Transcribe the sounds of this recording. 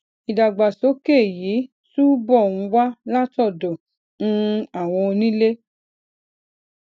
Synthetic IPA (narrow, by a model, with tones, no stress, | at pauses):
i˨da˨ɡ͡ba˨so˨˦ke˦˨ji˨˦ | tu˦bɔ˦˨nũ˧wa˦la˦tɔ˦˨dɔ˨ | nũ˦a˨w̃ɔ̃˧o˧nĩ˦le˦